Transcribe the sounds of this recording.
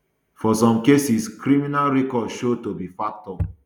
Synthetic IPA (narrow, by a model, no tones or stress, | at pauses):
fɔsɔ̃mkesiskɾiminalɹɛkɔdʃod̚tobifak̚tɔ